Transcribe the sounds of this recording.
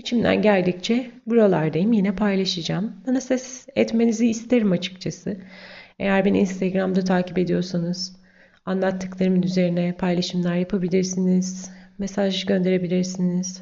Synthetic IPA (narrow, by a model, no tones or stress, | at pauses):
it͡ʃʰimlʲæ̰nɟæɾd̪ic̚t͡ʃʰɛbuɾalˠaɾd̪ajimjenɛpʰajlˠaʃɯd͡ʒaːmbanasɛsɛt̪me̞niziːst̪ʰe̞ɾimat͡ʃʰɯ̥kt͡ʃʰasɯe̞̰jæɾbænḭnst̪ʰeɡɾamd̪at̪ʰaːcipe̞d̪ijo̞ɾsanɯz̥ | anlˠat̪ʰːɯklˠaɾɯmɯnyze̞ɾinɛpʰajlˠaʃɯmlˠaɾjapʰabilʲiɾsiniz̥mesaʒɟø̞nd̪e̞ɾe̞bilʲiɾsiniz̥